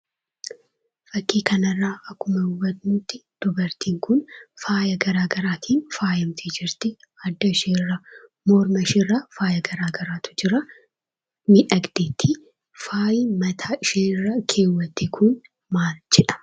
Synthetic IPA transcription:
fɐkːiːkɐnɐrːaːɐkːʊmɐwɐd̪nut̪ːɪd̪̥ʊbɐɾt̪iːŋkʊnfaːjɐɡɐɾaːɡɐɾaːt̪ʰiːnfaːjɐmt̪ʰid͡ʒɪɾt̪ɪ | ɐd̪ːɐɪʃeːrːɐ | moːɾmɐɪʃɪrːɐfaːjɐɡɐɾaːɡɐɾaːt̪ʰʊ̥d͡ʒɪɾɐ | mɪᶑɐɡd̪̥eːt̪ʰːi | faːjɪmɐt̪ʰaːɪʃeːrːɐkʰeːwːɐt̪ːɪkʰʊn | maːld͡ʒɛᶑɐ̥

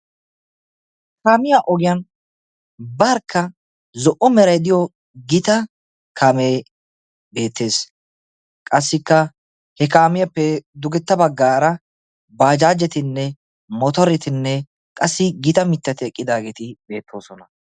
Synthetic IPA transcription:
kaːmɪjaʔɔɡɪjɐn | bɐɾkʰːɐ | zɔʔɔmɛɾɐjd̪ɪjɔ | ɡɪt̪ɐ | kʰaːmeː | be̞ːt̪ːe̞ːs | kʼɐsːɪkːɐ | hɛkaːmɪjɐpːɛd̪ʊɡɛt̪ːɐbɐɡːaːɾɐ | baːd͡ʒaːd͡ʒːɛt̪ɪnːɛ | mɔt̪ɔɾɛt̪ɪnːɛ | kʼɐsːɪɡɪt̪ɐmɪt̪ːɐt̪ɪɛkʼːɪd̪aːɡeːt̪ɪbe̞ːt̪ʰːo̞ːsɔnɐ

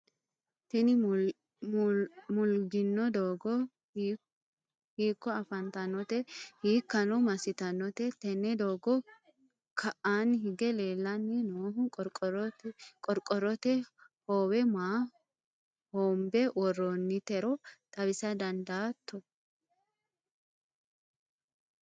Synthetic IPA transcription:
t̪ɛnɪ | mʊlɡɪnːɔd̪oːɡɔ | hiːkːɔɐfɐnt̪ɐnɔt̪ɛhiːkːɐnɔmɐsɪt̪ɐnːɔt̪ɛt̪ɛnːɛd̪oːɡɔ | kʰɐʔaːnɦɪɡɛle̞ːlːɐnːɛnoːɦʊkʼɾk̪ʼ | kʼɔɾkʼːɔɾɔt̪ɛ | hoːwɛmaː | hoːmbɛwɔronːɪt̪ɛɾɔt̪ʼɐbɪsɐd̪ɐnd̪aːt̪ːɔ

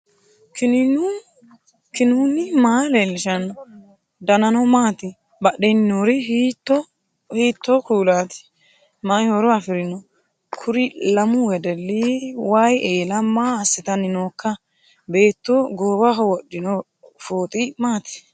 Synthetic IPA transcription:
kɪnu | kɪnuːnɪmaːlɛlːɪʃɐn | d̪ɐnɐnɔmaːt̪ɪ | bɐɗɛnːoɾɪɦit̪ːɔ | hiːt̪ːɔkuːlaːt̪ɪ̥ | majhoɾɔɐfɪɾɪnɔ | kʰʊɾɪlɐmʊwɛd̪ɛlːiwajeːlɐmaːsːɪt̪ɐnːɪnoːkːɐ | be̞ːt̪ːoɡoːbɐɦɔwɔɗːɪnɔ | foːt̪ʼɪmaːt̪ɪ̥

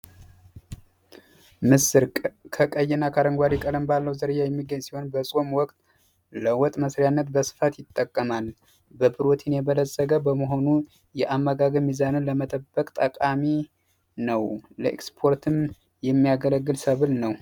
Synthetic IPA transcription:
mɨsɨɾkʼkʰəkʼəjːɛnːakʰaɾəŋɡʷwaɾikʼələmbalːəwzəɾɨjajɛmːiɡəɲsiho̞nbəsʼo̞mwɔkʼt̪ʼ | ləwɔt̪ʼməsɾjanːət̪bəsɨ̥fat̪jɪt̪ʼːəkʼːəmal | bəbɨɾot̪ʰinjɛbələzːəɡəbəməɦo̞nu | jɛʔamːəɡaɡəmizanɨnləmət̪ʼəbːəkʼt̪ʼəkʼami | nəwləʔḛɛ̰kspʰo̞ɾt̪ʰɨm | jɛmːijaɡələɡːɨlsəβɨlnəw

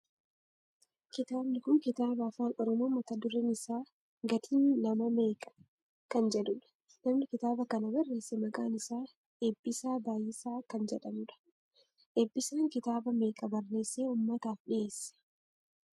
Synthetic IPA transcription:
kɪt̪aːbnɪkʊnkɪt̪aːbɐɐfaːnɔɾɔmoːmɐt̪ɐd̪ʊɾɛnɪsaː | ɡɐt̪ʰiːnːɐmɐme̞ːkʼɐ̥ | kɐnd͡ʒɛᶑʊᶑɐ̥ | nɐmnɪkɪt̪aːbɐkɐnɐbɐrːe̞ːsːɛmɐkʼaːnɪsaː | ebːɪsaːbaːjɪsaːkɐnd͡ʒɛᶑɐmʊᶑɐ̥ | ʔebːɪsaːŋkɪt̪aːbɐme̞ːkʼɐbɐrːe̞ːsːeːʊmːɐt̪aːfɗɪeːsːɛ̥

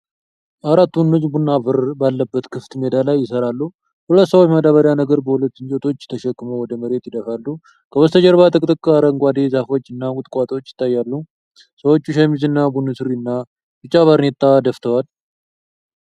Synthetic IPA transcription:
ʔaɾat̪ːunːot͡ʃːbunːafɨɾbalːəbːət̪kʰɨft̪med̪alajːɪsəɾalːu | hulət̪ːsəwot͡ʃːməd̪aβəɾjanəɡəɾbəhulət̪ːɨnt͡ʃʼot̪ʰo̞t͡ʃːt̪ʰəʃɛkːɨmowɔd̪əməɾe̞t̪jɪd̪əfalːu | kʰəwəst̪ʰəd͡ʒəɾbat̪ʰəkʼɨt̪ʼɨkʼːaɾəŋɡʷad̪ezafo̞t͡ʃːɨnːakʼut̪ʼkʼat̪ʰʼwot͡ʃːjɪ̥t̪ʰːajːalːu | səwot͡ʃːuʃamizɨnːabunːɨsɨɾinːa | bɨt͡ʃʼːaβaɾnet̪ʼːad̪əft̪ʰəwal

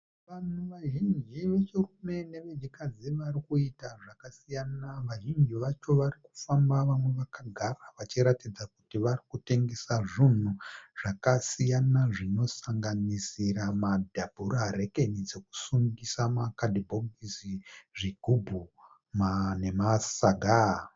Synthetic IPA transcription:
ʋanuʋaʒind͡ʒiʋe̞t͡ʃirume̞ne̞ʋed͡ʒikad͡ziʋarikuitaʐakasijanaʋaʒind͡ʒiʋat͡ʃo̞ʋaɾiku̥fambaʋamwe̞ʋakaɡʱaraʋat͡ʃiɾatid͡zakutiʋarikute̞ŋɡe̞saʐin̤uʐ̥akasijanaʐino̞saŋɡanisiramadʱabʱuɾareke̞nid͡ze̞ku̥suŋɡisamakadʱibʱoɡisiʐiɡʱubʱu | mane̞masaɡʱa

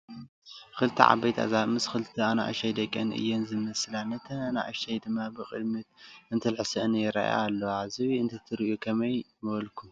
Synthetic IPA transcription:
kɨlt̪ʰiʕa̰bɐjt̪ʰa̰zamɨskɨlt̪ʰiana̰ʔa̰ʃajd̪ɐkʼːɐnʔɨ̰jːenzɨmɐslanɐt̪ʰɐna̰ʔa̰ʃajd̪ɨmːabɨxʼɨ̰d̪mɨt̪̚ɨnt̪ʰɨlħɨsɐɨnjɪɾa̰ʔja̰ːlːɐwazɨwiɨnt̪ʰɐt̪ʰɨɾiʔjukʰɐmɐj | mɨβɐlkʰu

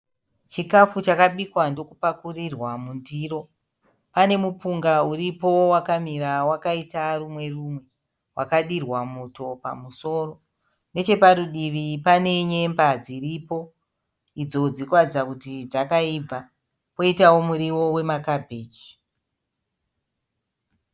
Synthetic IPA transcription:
t͡ʃikafut͡ʃakaɓikwando̞kupakurirwamundiro̞ | pane̞mupuŋɡauɾipo̞wakamiɾawakaitarumwe̞rumwe̞ | wakaɗirwamuto̞pa̰muso̞ːro̞ | ne̞t͡ʃe̞paɾuɗiʋipane̞ɲe̞mbad͡ziripo̞ | id͡zo̞d͡zikwad͡zakutid͡zakaib͡va | po̞itawo̞muɾiwo̞we̞makabʱeːd͡ʒi̥

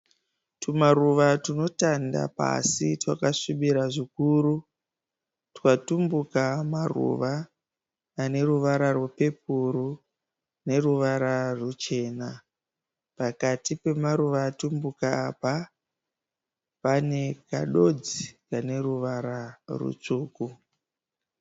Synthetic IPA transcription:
tumaruʋatino̞tanda̰pa̰sitwakaʂiɓiɾaʐikuːru | tkatumbukamarṵʋaː | ne̞ɾuʋaɾarwupe̞puɾu | ne̞ruʋaɾarut͡ʃe̞ːna | pakatipe̞maruʋaːtumbukaːpa | pane̞ka̰ɗo̞d͡zikane̞ruʋaɾarṵt͡ʂuːku

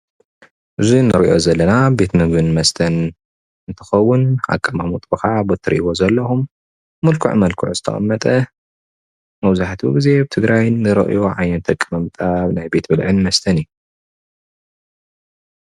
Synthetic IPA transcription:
ʔɨzinɨɾʔo̞̰zɐlːɐnabe̞t̪nɨɡɨnmɐst̪ʰɐn | ɨnt̪ʰɐ̥xɐwːʊnʕa̰kʼːɐmamut̪ʼbɨxabot̪ʰɨɾiʔiwo̞zɐlːɐhumː | ɐlkʰṵʕmɐlkʰṵʕzɨ̥t̪ʰɐ̰χʼɐ̰mːɐt̪ʼɐ | mɐwzaħt̪ʰuɡize̞bɨt̪ʰɨɡɾajnɨɾɐ̰ʔɨ̰joʕajɐnt̪ʰɐkʼːɨmɐmt̪ʼabnajbe̞t̪bɨlʕɨnmɐst̪ʰɐniju

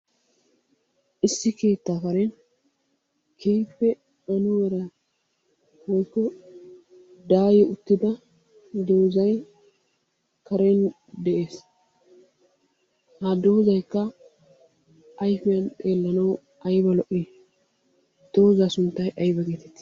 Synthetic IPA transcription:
ʔɪsːɪke̞ːt̪ːaːfɐɾɛn | kʰeːpːɛ | ɐnʊwɛɾɐ | wɔjkːɔ | d̪aːjɛʊt̪ːɪd̪ɐ | d̪o̞ːzɐj | kɐɾen | d̪ɛʔe̞ːs | hɐd̪o̞ːzɐjkːɐ | ʔːjfɪjɐnt̪ʼe̞ːlːɐnɐw | ʔɐjbɐlɔʔːiː | d̪̥o̞ːzaːsʊnt̪ːɐjʔɐjbɐɡeːt̪ɛt̪ːɪ̥

